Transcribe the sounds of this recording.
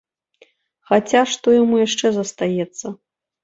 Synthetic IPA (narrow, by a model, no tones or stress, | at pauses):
xat͡sʲaʂt̪ɔjamujaʂt͡ʂɛzɐst̪ajɛt̪sːɐ